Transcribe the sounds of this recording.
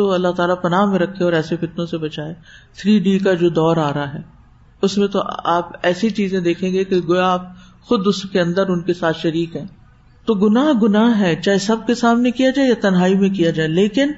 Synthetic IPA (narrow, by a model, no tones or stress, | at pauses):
oɐlːaɦt̪aːlapɐnaːɦmẽɾɐkʰːeɔːɾɛːsefɪt̪nõsebɐt͡ʃaːeːt̪ʰɾiːɖik̬ad͡ʒoːd̪ɔːɾaːɾaɦɛː | ʊsmẽt̪oʔaːpɛːsit͡ʃiːzẽd̪eːkʰẽːŋɡekeɡojaːp̚ | xʊd̪ʊskeɐ̃nd̪əɾʊnkesaːt̪ʰʃɐɾiːkɦɛ̃ː | t̪oːɡʊnaːɦɡʊnaːɦɦɛːt͡ʃaːɦesɐb̚kesaːmnekijad͡ʒaːejat̪ɐnɦaːimẽkijad͡ʒaːeleːkɪn